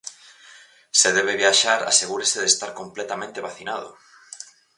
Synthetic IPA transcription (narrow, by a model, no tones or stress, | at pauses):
seðɛβ̞eβjaʃaɾa̰seɣuɾeseðest̪aɾkomplɛt̪amẽnt̪eβaθinað̞ʊ̰